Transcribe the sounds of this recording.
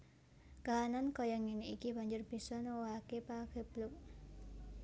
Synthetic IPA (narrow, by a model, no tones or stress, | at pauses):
kaanankɔjaŋineikib̥a̤ɲd͡ʒʊrbi̤sɔnowaakepakɛblʊk̚